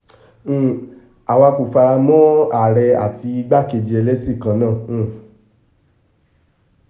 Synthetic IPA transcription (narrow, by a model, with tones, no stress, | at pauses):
a˨wa˧ku˨fa˧ɾa˧mɔ̃˦a˦˨ɾɛ˧a̰˨ti˧i˧ɡ͡ba˦˨ke˧˨d͡ʒi˧ɛ˧lɛ˦si˦˨kã˧˦nãː˦˨˧